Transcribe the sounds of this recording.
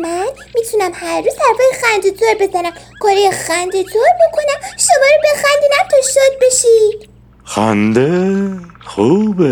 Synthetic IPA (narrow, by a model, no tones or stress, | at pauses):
mæn | miːt̪ʰunæmhæɾːuːzd̪æɾfɒːjexænd̪ezoɾbe̞zænæm | kʰɒɾejexænd̪ezoɾbo̞kʰonæmʃomɒːɾobexænd̪inæmt̪ʰoʃod̪̚beʃid̪̥ | xænd̪e | xuːbe